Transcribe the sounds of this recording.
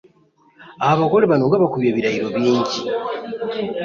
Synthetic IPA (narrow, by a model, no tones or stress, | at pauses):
aaβako̞leβano̞ŋɡaβakuβjaβiɾaiɾo̞βjiːɲɟi